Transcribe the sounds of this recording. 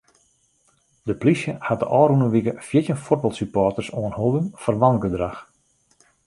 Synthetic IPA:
dəplisjəhat̚də̰ʔɔːrunəʋikəfjɪtjənfot̚bɑlˠtsypɔːtərsoənholˠbəmfərʋanɡədrax

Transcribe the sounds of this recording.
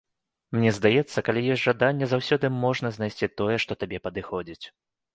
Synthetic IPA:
mnʲɛzd̪ajɛt̪sːɐkalʲijɔsʲtʲʐad̪anʲːɛzawsʲɔd̪ɨmɔʐnɐznajsʲt͡sʲit̪ɔjɛʂt̪ɔt̪abʲɛpɐd̪ɨxɔd͡zʲit͡sʲ

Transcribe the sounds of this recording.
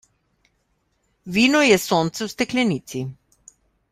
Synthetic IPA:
ʋiːnɔjɛsont̪sɛwst̪ɛklʲɛnit̪si

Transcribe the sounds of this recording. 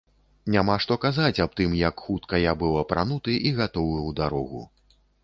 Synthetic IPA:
nʲamaʂt̪ɔkazat͡sʲap̚t̪ɨmjɐkxut̪kɐjabɨwˠɐpɾanut̪ɨʔiɣat̪ɔwɨwd̪aɾɔɣṵ

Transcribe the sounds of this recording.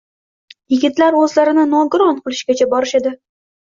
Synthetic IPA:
jɪɡʲɪt̪laɾɵzlaɾɪnɪnɒɡʊɾɒnqʰɨlˠɪʃɡʲat͡ʃʰabɒɾɪʃed̪ɪ

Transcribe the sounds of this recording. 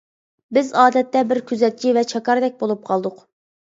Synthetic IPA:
bɪzɑːd̪ɛt̪ːɛbɪɾkʲʰyzɛt̪̚t͡ʃʰivɛt͡ʃʰɑkɑɾd̪ɛk̚ʲbolˠup̚qʰɑlˠd̪ʊq

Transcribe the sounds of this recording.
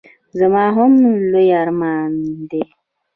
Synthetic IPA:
zəmaːɦomnlojaɾmaːnde

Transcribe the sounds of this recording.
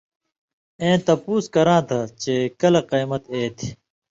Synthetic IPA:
ẽːt̪ɐpuːskɐɾãːt̪ʰɐt͡ɕeːkɐlɐqeːmɐt̪eːt̪ʰi̥

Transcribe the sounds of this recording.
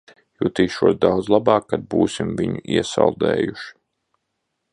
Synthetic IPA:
juːt̪iːʃuɔsd̪awd̪zlˠabɑːkːad̪̚buːsimviɲuiɛsa̰lˠd̪ɛ̰ːjuʃi̥

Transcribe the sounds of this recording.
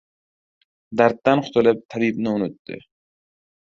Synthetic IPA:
d̪aɾt̪ːanqʰʊ̥t̪ʰlɪp̚t̪ʰabibnɪʊnʊt̪ːɪ̰

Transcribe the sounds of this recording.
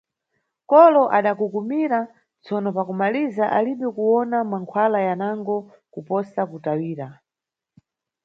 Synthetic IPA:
kɔlɔʔaɗakukumiɾa | t͡sɔnɔpakumalizaʔaliɓɛkuwɔnamaŋkʰwalajanaŋɡɔ | kupɔsakutawiːɾa

